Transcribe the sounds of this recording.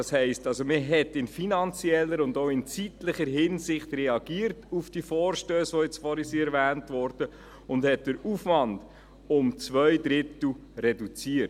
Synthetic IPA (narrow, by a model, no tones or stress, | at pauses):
ɑshɛɪstɑlsoməɦɛtɪnfinɑnt͡siɛlːəɾʊndoʊɪnt͡sitləχəɾɦɪnsɪχtrɛɑɡiːəɾtufd̥iəfɔːɾʃtøːsʋojɛt͡sfɔɾisiɛɾvæːntʋɔɾd̥ə | ʊndhɛt̚d̥əɾufʋɑnd | ʊmt͡svœjdɾɪtl̩ɾɛdut͡siət